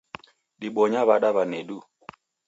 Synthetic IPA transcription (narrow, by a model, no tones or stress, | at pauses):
ɗiɓɔɲaβaɗaβanɛɗu